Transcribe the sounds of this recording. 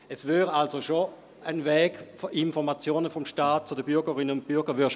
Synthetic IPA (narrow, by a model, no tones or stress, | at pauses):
ɛsvøːʁalsoʃo | ənvɛːɡfoʔinfɔmat͡sjoːnəfɔmʃtaːt̚t͡sʊdəbyɐɡəʁɪnəʊnt̚b̥yɐɡəʋʏːʃ